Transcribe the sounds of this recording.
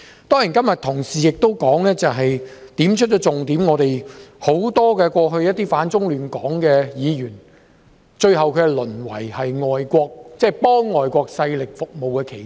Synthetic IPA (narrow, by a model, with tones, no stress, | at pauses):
t̪ɔː˥ŋiː˨˩nkɐ˥mjɐ˨t̪ʰʊ˨˩ŋsiː˨˩jɪ˨k̚t̪o˥wkɔː˨˥ŋlɛː˥t͡sɐ˨wɦɐ˨jt̪iː˨˥mt͡ʃʰɵ˥t̚t͡ʃɔ˧˥t͡sʊ˨ŋt̪iː˨˥mŋɔː˨˧t̪e˨jho˨˥wt̪ɔː˥kɛː˧kʷɔː˧ɦɵ˧ɥjɐ˥t̚t̪iː˥faː˨˥nt͡sʊ˥ŋlyː˨˩nkɔː˨˥ŋkɛː˧jiː˨˧jyː˨˩n | t͡ʃɵ˧ɥhɐ˨wkʰkɛ˧lɵ˨˩nwɐ̰˨˩jhɐ˨jŋɔː˨jkʷɔː˧k̚t͡sɛː˥˩pɔː˥ŋːɔː˨˩jkʷɔː˧k̚sɐ˧jlɪ˨k̚fʊ˨k̚mo˨wkɛː˧kʰe˨˩